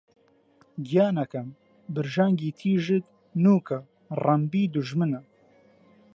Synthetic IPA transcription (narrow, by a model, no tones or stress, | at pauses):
ɡijaːnɐkɐm | bɨɾʒaːŋɡiːt̪ʰiːʒɨt̪ | nuːkʰɐ | rɐmbiːd̪uʒmɨnɐ